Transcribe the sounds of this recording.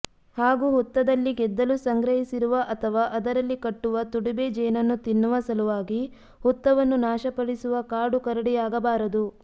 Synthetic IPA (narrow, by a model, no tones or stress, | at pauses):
haːɡuɦut̪ːɐd̪ɐlːiɡɛd̪ːɐlusɐŋɡɾɐɦisiɾuʋɐʔɐt̪ʰɐʋaːʔɐd̪ɐɾɐlːikɐʈːuʋɐt̪uɽibed͡ʒɛːnɐnːut̪inːuʋɐsɐluʋaːɡi | hut̪ːɐʋɐnːunaːʃɐpɐɽisuʋɐkaːɖukɐɾɐɽijaːɡɐbaːɾɐd̪u